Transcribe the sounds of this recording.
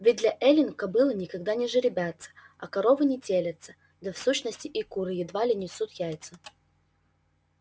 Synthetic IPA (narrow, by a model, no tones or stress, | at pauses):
vʲɪd̪lʲɐʔɛlʲɪnkɐbɨlˠənʲɪkɐɡd̪anʲɪʐɨɾʲɪbʲat̪sə̥ | ɐkɐɾo̞vɨnʲɪtʲelʲət̪sə | d̪ɐfsuɕnəsʲtʲɪʔɪkuɾɨjɪd̪valʲɪnʲɪsut̪jajt̪sə